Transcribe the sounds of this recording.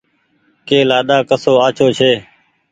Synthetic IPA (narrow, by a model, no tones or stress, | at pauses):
keːlaːɗaːkəsoːaːt͡ʃʰoːt͡ʃʰeː